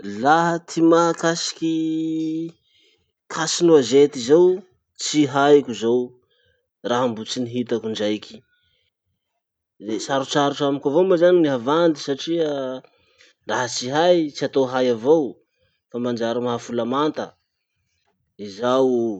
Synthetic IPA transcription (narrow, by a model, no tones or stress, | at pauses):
laɦət̪ʰimakasi̥kʲi | kʰasinuazet̪izow | t͡siɦajkʲuzow | raɦambut͡siniɦit̪akuɳɖ͡ʐajkʲi̥ | esaɾut͡saɾuʈ͡ʂamikʲavomazaniniɦavand̪isaʈ͡ʂiə | ɾaɦət͡siɦajt͡siat̪oɦajavow | famand͡ʒaɾamaɦafulamant̪ə | izaw